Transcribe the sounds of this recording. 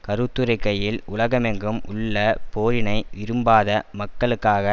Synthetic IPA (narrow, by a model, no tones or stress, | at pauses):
kɐɾɯt̪ːɯɾɐɪkːɐjɪlʊlɐɣɐmɛŋɡɯmʊ̰ɭːɐpoːɾɪnɐɪʋɪɾɯmbaːðɐmɐkːɐɭɯkːaːɣɐ